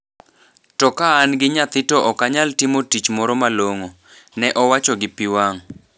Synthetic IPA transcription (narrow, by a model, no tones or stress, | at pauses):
tɔkaːnɡɪɲat̪ɪtɔʔɔkaɲaltɪmotit͡ʃmɔɾɔmaloŋo | nɛʔɔwat͡ʃoɡɪpɪwaŋ